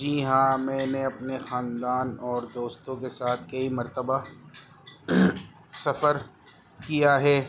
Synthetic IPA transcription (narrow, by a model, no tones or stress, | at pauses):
d͡ʒiːɦãmɛ̃ːneɐpnexaːnd̪aːnɔːɾd̪oːst̪õkesaːt̪ʰkɐimɐɾt̪əba | sɐfəɾ | kijaɦɛː